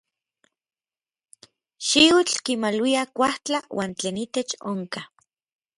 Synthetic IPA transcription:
ʃiut͡ɬkimalwiakʷaht͡ɬawʔaːnt͡ɬeːnit̪et͡ʃoŋka

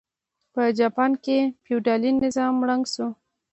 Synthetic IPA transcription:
pəd͡ʒɑpɑnkepjuwɖɑlinɪzɑmːɽaŋɡʃu

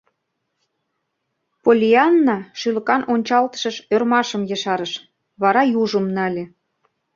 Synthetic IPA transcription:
polʲiɑnːɑʃylə̆kɑnʔonʲt͡ɕɑlt̪ə̥̆ʃə̆ʃørmɑʃə̆mjə̆ʃɑɾəʃ | βɑɾɑjuʒəmnɑlʲĕ

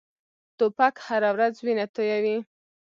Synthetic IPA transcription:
t̪opakhaɾawɾazwinat̪ojawi

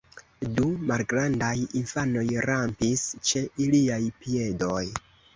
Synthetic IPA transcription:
dumalɡɾandajinfano̞jɾampist͡ʃe̞iliajpie̞doj

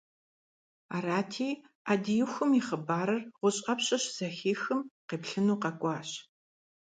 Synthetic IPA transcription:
aːraːtʰiː | aːdijɪxʷʊmiχəbaːɾɐrʁʷʊɕʼɐpɕʼɐɕz̥ɐxiːxɨmqeːpɬɨnuːqɐkʷʼɑːɕ

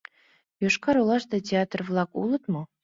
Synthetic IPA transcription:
joʃkɑɾulˠɑʃd̪ɑtʲeɑt̪rvlˠɑkṵlˠɤ̆t̪mɤ̆

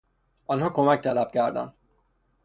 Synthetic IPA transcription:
ɒnokomɛk̚t̪ɛlab̚ɡaːrd̪ɒ̰n

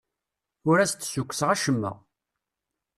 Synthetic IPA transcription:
ʊɾæst̪ːsukʷːsʁæʃəmːə̰

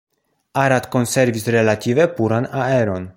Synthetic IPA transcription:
aɾat̪ko̞nse̞ɾvisɾelat̪ivepuɾanaeɾo̞n

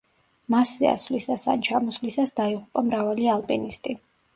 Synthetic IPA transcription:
masɛa̰svlisasa̰nt͡ʃʰamɔslisasd̪aiʁupʼamɾavalialˠpʼɛnist̪ʼi

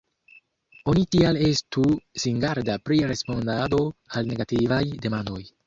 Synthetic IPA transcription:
o̞nitiale̞stusiŋɡaɾdapɾiɾe̞spo̞ndado̞alne̞ɡativajde̞mando̞j

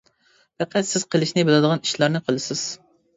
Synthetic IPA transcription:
pʰɛqʰæt̪sɪz̥qʰəlˠɪʃnɪbɨlˠɨd̪əʁɑni̥ʃlˠɑɾnɨqʰəlˠɨsɪz̥

